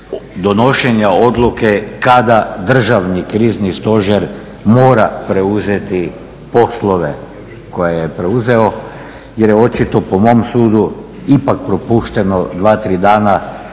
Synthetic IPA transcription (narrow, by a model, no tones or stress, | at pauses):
d̪ono̞ʃeɲaod̪lukekad̪ad̪r̩ʒaʋnikɾiːznist̪o̞ʒeɾ | moːɾapɾeuzet̪i | po̞slˠo̞ʋe̞ | ko̞jejepɾeuze̞o̞ | jeɾjeo̞t͡ʃit̪o̞pomo̞msuːd̪u | ipak̚pɾopuːʃt̪e̞no̞d̪ʋaːt̪ɾiːd̪aːna